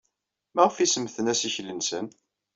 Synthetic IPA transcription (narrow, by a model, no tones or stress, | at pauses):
mæʁfisəmθənæsiçlənsən